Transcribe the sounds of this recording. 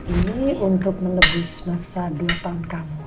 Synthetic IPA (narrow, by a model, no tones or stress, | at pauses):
ʔiniunt̪ʊk̚mənəbʊsmasaduat̪ankam